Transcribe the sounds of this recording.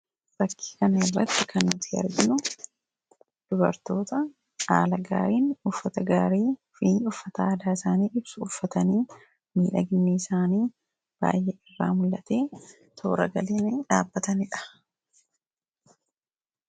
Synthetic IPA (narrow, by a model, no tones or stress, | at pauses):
bɐkʰːi̥kɐnɐɪrːɐ̰t̪ːɪkɐnːʊt̪ɪɐ̰ɾɡɪnʊ | d̪̥ʊbɐ̰ɾt̪o̞ːt̪ɐ | a̰ːlɐɡa̰ːɾiːnʊfːɐt̪ɐɡaːɾiː | fiːnʊfːɐt̪aːd̪aːɪsaːniːʔɪbsʊʊfːɐt̪ɐniː | miːᶑɐɡɪnːiːɪsaːniː | b̥a̰ːjʔeːɪrːa̰ːmʊlːɐt̪e̞ː | t̪ʰo̞̰ːɾɐ̰ɡɐleːneːᶑaːbːɐt̪ɐnɪᶑɐ̥